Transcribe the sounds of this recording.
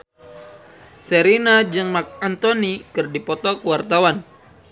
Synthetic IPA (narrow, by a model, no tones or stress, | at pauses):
səɾinad͡ʒɨŋmak̚ant̪onikɨrdipɔt̪ɔkəwart̪awan